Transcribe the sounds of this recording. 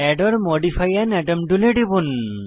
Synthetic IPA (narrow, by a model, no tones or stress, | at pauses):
ɛɖɔɾmɔɖipʰajanɛʈɔmɖuleɖibun